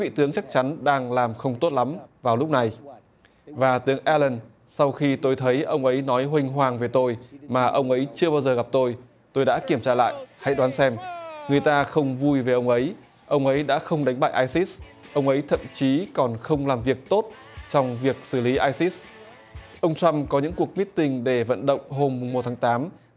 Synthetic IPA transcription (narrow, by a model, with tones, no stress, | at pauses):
vḭ˧˨t̪ɨ˨˦əŋt͡ɕa˦˥k̚t͡ɕa˨˦nɗaː˧ŋlaː˨˩mxə˧wŋ͡mt̪o˦˥t̚la˨˦mvaː˨˩wlʊ˦˥k͡p̚na˨˩j | vaː˨˩t̪ɨ˨˦əŋʔɛ˧lə˧˩n | sa˧wxi˧t̪o˧jt̪ʰə˨˦jʔə˧wŋ͡mʔə˨˦jnɔ˨˦jɦwï˧ŋ̟ɦwaː˨˩ŋve˨˩t̪o˧jmaː˨˩ʔə˧wŋ͡mʔə˨˦jt͡ɕɨ˧əɓaː˧wzəː˨˩ɣa˨˩p̚t̪o˧j | t̪o˧jɗa̰ː˧˥ki˧˩əmt͡ɕaː˧la̰ː˧˨jʔha̰˧˥jɗwaː˨˦nsɛ˧mŋɨ˨˩əjt̪aː˧xə˧wŋ͡mvu˧jve˨˩ʔə˧wŋ͡mʔə˨˦j | ʔə˧wŋ͡mʔə˨˦jɗa̰ː˧˥xə˧wŋ͡mɗa˨˦jŋ̟ɓa̰ː˧˨ʔaː˧jsi˦˥s | ʔə˧wŋ͡mʔə˨˦jt̪ʰə̰˧˨mt͡ɕi˨˦kɔ˨˩nxə˧wŋ͡mlaː˨˩mvi˨˩ək̚t̪o˦˥t̚ | t͡ɕɔ˧wŋ͡mvi˨˩ək̚sɨ˧˩li˨˦ʔaː˧jsi˦˥s | ʔə˧wŋ͡mt͡ɕwa˧mkɔ˨˦ɲɨ̰˧˥ŋku˨˩ək̚mi˦˥t̚t̪ï˧ŋ̟ɗe˧˩və̰˧˨nɗə̰˧˨wŋ͡mɦo˧mːʊ˨˩ŋ͡mːo˨˩t̚t̪ʰaː˨˦ŋt̪aː˨˦m